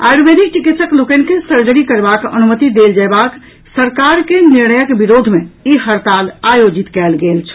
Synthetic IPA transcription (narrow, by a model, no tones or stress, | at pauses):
a̰jɾubed̪ʱik̚t͡ʃikit̪səklokənkesəɾd͡ʒəɾikəɾbakə̰numət̪id̪eld͡ʒajbak | səɾkaɾkeniɾnəjəkbiɾod̪ʱmeiɦəɾt̪alajod͡ʒit̪kɛlɡelt͡ʃʰ